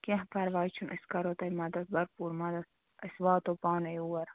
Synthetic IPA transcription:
keɦpʰɐɾʋɑːjt͡ʃʰunʔɐskɐɾot̪ɐjmɐd̪ɐt̪̚bɐɾpuːɾmɐd̪ɐs | ɐswɑːt̪opɑːnɐjuwɐɾ

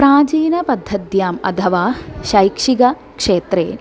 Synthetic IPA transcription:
pɾaːd͡ʒiːnɐpɐd̪ʱːɐd̪jaːmɐ̰t̪ʰɐʋaːʃɐjkʂiɡɐ | kʂeːt̪ɾeː

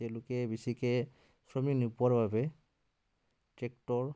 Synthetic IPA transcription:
tɛlʊkɛbisikɛ | sɹɔminupuaɹbabɛ | tɛk̚tɔɹ

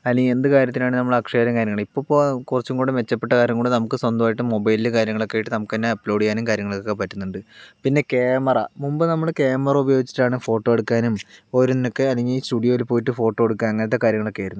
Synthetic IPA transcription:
ɐlːeŋɡie̞nd̪ɨkaːɾjɐt̪ːilaːɳɨnɐmːɐɭɐkʂeɐɾɐŋkaːɾjɐŋːɐɭipːo̞ːpokurɐt͡ɕːuŋɡoːɽɨmʋe̞t͡ɕːɐpːe̞ʈːɐkaːɾjɐŋɡoɳɖɨnɐmukːɨswɐnd̪ɐmaːjiʈːɨmo̞bɐjlilɨkaːɾjɐŋːɐɭo̞kːeːjiʈːɨnɐmukːenːeɐpːlo̞ːɽikːaːnumkaːɾjɐŋːɐɭokːokːepɐtːunːuɳɖɨpinːe̞keːmɐrɐmumbɨnɐmːɐɭkeːmɐrɐubɐjo̞ːɡit͡ɕːi̥ʈːaːɳɨfo̞ːʈːo̞ːjeɽukːaːnumoɾunːino̞kːe̞ɐlːeŋɡiliːstuːɽijo̞ːjilpoːjiʈːɨfo̞ːʈːo̞ːeɽukːanɐŋːenɐt̪ːekaːɾjɐŋːɐɭo̞kːe̞jɾunː

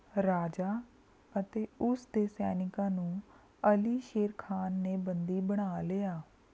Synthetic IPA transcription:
ɾaːd͡ʒaː | ət̪eːʊsd̪eːsɛːnɪkãːnũː | əliːʃeːɾkʰaːnːeːbənd̪iːbəɽ̃aːleːaː

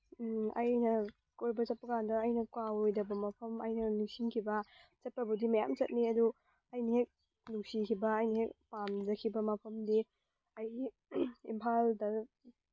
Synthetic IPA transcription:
ɐjnɐ | kojbɐt͡ʃɐt̚pɐkandɐːjnɐkwawojdɐbɐmɐpʰɐmɐjnɐnuk̚siŋkʰibɐt͡ʃɐt̚pɐbɐdimɐja̰mt͡ʃɐt̚niɐdu | ɐjniɦek̚ | nuk̚sikʰibɐːjniɦek̚pamd͡ʒɐkʰibɐmɐpʰɐmdi | ɐj | impʰaldɐ

